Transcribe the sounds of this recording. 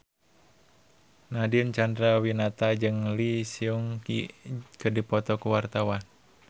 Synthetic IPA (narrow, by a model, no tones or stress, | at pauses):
nadiənt͡ʃandɾawinat̪ad͡ʒɨŋlisiuŋkḭkədipɔt̪ɔkuwart̪awan